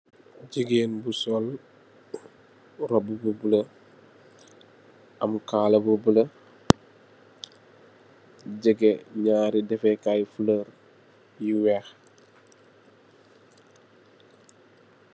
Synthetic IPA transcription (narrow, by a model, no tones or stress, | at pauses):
ɟəɡeːnbusɔl | ɾɔbːububəlɐ | ɐmkaːlɐbubəlɐ | ɟəɡeɲaːɾidɛfɛkajfələɾ | jiwɛːx